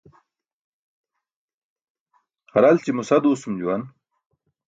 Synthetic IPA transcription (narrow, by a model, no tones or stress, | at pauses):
xɐɾalt͡ɕimusɐd̪uːsumd͡ʑuwan